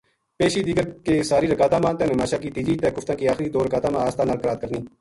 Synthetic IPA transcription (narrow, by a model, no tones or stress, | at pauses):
peːʃiːd̪iːɡəɾkeːsaːɾiːɾəkaːt̪ãːmãːt̪ẽːnẽːmaːʃaːkiːt̪iːd͡ʒiːt̪eːkʊft̪ãːkiːaːxɾiːd̪oːɾəkaːt̪aːmãːaːst̪ãːnalkəɾaːt̪̚kəɾniː